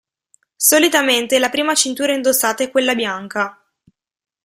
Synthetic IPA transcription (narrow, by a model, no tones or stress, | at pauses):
solit̪ament̪elapɾiːmat͡ʃint̪uːɾaind̪osaːt̪aɛkːwelːabjaŋka